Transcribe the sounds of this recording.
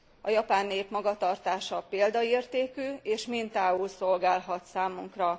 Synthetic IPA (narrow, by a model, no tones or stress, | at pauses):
ɒjɒpaːnːeːpmɒɡɒt̪ɒrt̪aːʃɒpeːld̪ɒeːrt̪eːkyːeːʃmint̪aːulso̞lɡaːlɦɒt̪saːmuŋkrɒ